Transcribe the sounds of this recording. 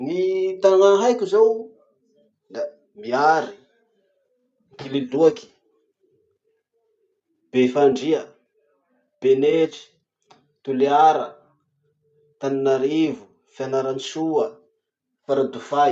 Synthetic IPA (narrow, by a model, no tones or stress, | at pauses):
nit̪aaŋaɦajkʲuzaw | d̪a | miaɾi | kileluaki̥ | b̥efaɳɖ͡ʐiə | b̥eneʈ͡ʂi̥ | t̪uleaɾə | t̪aninaɾivu | fianaɾanisuə | paɾad̪ufa